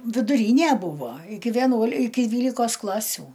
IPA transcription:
ʋʲɪdʊˈrʲiːnʲeː ˈbuːʋoː ˈɪkʲɪ ʋʲiɛˈnuɔlʲ ˈɪkʲɪ ˈdʲʋʲiːlʲɪkoːs ˈklˠɑːsʲʊ

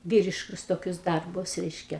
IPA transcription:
ˈʋʲiːrʲɪʃkʊs toːˈkʲʊs ˈdɐrbʊs ˈrʲɛɪʃʲkʲɛ

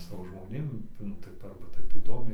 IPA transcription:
ˈsɑːʋoː ʒmoːˈnʲeːm ˈnʊ ˈtɐɪ tɐɪ ˈɐrbɐ ˈtɐɪp iːˈdoːmʲɛɪ

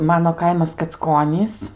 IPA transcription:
ˈmɑːnoː ˈkɐɪmɐs kɐt͡sˈkoːnʲiːs

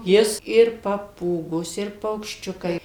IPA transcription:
ˈjɪs ɪr pɐˈpuːɡoːs ɪr pɐʊkʃʲˈt͡ʃʲʊkɐɪ

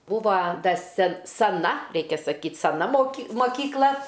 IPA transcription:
ˈbuːʋɐ ˈdɐ sʲɛ sɐˈnɐ ˈrʲɛɪkʲɛ sɐˈkʲiːt sɐˈnɐ moːˈkʲiː moːkʲiːkˈlˠɐ

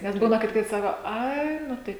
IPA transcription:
nʲɛs ˈbuːnɐ kɐt ˈkɐɪp ˈsɑːkoː ˈɐɪ ˈnʊ tɐɪ

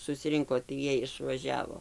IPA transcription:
sʊsʲɪˈrʲɪŋkoː tɐɪ ˈjiɛj ɪʃʋɐˈʒʲæːʋoː

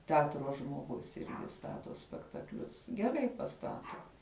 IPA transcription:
tʲɛˈɑːtroː ʒmoːˈɡʊs ˈɪrʲɡʲɪ ˈstɑːtoː sʲpʲɛktɐkˈlʲʊs ɡʲɛˈrɐɪ pɐˈstɑːtoː

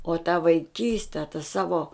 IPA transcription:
oː tɐ ʋɐɪˈkʲiːsʲtʲɛ tɐ ˈsɑːʋoː

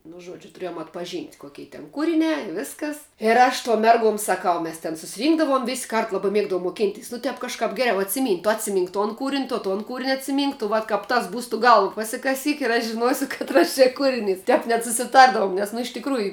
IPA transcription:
nʊ ˈʒuɔd͡ʒʲʊ tʊˈrʲiɛjoːm ɐtpɐˈʒʲiːnʲtʲ ˈkoːkʲɛɪ tʲɛn ˈkuːrʲɪnʲæː ɪ ˈʋʲɪskɐs ɪr ˈɐʃ tuɔm ˈmʲɛrɡuɔm sɐˈkɐʊ ˈmʲɛs tʲɛn sʊsʲɪˈrʲiːŋɡdɐʋoːm ʋʲɪsʲ kɐrt ˈlˠɑːbɐ ˈmʲiɛɡdɐʋoːm moːˈkʲɪnʲtʲɛɪs nʊ ˈtʲɛp kɐʃˈkɐp ˈɡʲæːrʲɛʊ ɐtʲsʲɪˈmʲiːnʲtʲ tʊ ɐtʲsʲɪˈmʲiːŋk toːn ˈkuːrʲɪnʲ toː ˈtoːn kuːrʲɪnʲ ɐtʲsʲɪˈmʲiːŋk tʊ ˈʋɐt kɐp ˈtɐs ˈbuːs tʊ ˈɡɐlˠʋ pɐsʲɪkɐˈsʲiːk ɪr ˈɐʃ ʒʲɪˈnuɔsʲʊ kɐtˈrɐs t͡ʃʲɛ ˈkuːrʲɪˌnʲiːs ˈtʲɛp nʲɛt sʊsʲɪˈtɐrdɐʋʊm ˈnʲɛs nʊ ɪʃ tʲɪkˈruːjʊ

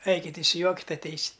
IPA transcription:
ˈɐɪkʲɪtʲ ɪʃʲsʲɪˈjuɔkʲɪtʲ ɐtʲˈɛɪsʲɪtʲ

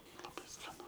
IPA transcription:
lˠɐˈbɐɪ skɐˈnʊ

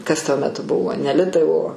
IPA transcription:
ˈkɐs tuɔ mʲɛˈtʊ ˈbʊʋoː nʲɛ ˈlʲɪtɐɪ oː

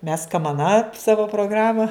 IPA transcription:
mʲɛs kɐmɐˈnɐ ˈsɑːʋoː proːˈɡrɑːmɐ

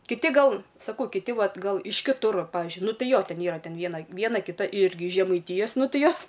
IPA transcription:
kʲɪˈtʲɪ ˈɡɐlˠ sɐˈkɐʊ kʲɪˈtʲɪ ˈʋɐt ˈɡɐlˠ ɪʃ kʲɪˈtʊr ˈpɑːʋʲɪzʲd͡ʒʲʊɪ ˈnʊ ˈtɐɪ ˈjoː ˈtʲɛn ˈiːrɐ ˈtʲɛn ˈʋʲiɛnɐ ˈʋʲiɛnɐ kʲɪˈtɐ ˈɪrʲɡʲɪ ɪʃ ʒʲɛmɐɪˈtʲɪjɛs ˈnʊ ˈtɨ ˈjoːs

